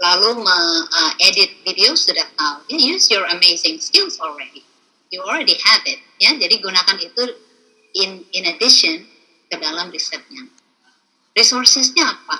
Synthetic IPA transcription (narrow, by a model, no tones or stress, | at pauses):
laluməŋəedɪt̪̚videosudaht̪awjajusjɔɹəmezɪ̃ŋskilsɔlɹɛdi | juɔlɾɛdihɛvɪt̪̚jad͡ʒadiɡunakanit̪u | ɪnɪnədɪʃɔn | kədalamrisɛt̪̚ja | risɔrsɛsɲaːp̚a